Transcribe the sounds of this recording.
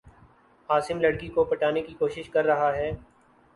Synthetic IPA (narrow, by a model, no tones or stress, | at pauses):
aːsɪmlɐɽkikopɐʈaːnekikoːʃɪʃkɐɾːɐɦaɦɛː